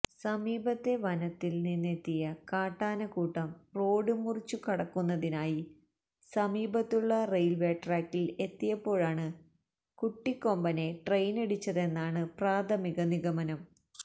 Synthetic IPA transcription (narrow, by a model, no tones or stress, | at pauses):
sɐmiːbɐt̪ːe̞ʋɐnɐt̪ːilninːet̪ːijɐkaːʈːaːnɐkuːʈːɐmro̞ːɽɨmurit͡ɕːukɐɽɐkːunːɐðinaːji | sɐmiːbɐt̪ːuɭːɐrejlʋeːʈraːkːile̞t̪ːijɐpːo̞ːɻaːɳɨ | kuʈːikːo̞mbɐne̞ʈrejneɽut͡ɕːɐðe̞nːaːɳɨpraːt̪ʰɐmiɣɐniɣɐmɐnɐm